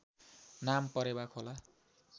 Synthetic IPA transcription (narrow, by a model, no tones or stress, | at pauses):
nampʌɾebakʰola